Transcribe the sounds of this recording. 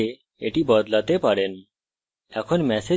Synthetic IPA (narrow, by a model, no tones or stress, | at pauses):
e | eʈibɔd̪lat̪epaɽen | ɛkʰonmɛse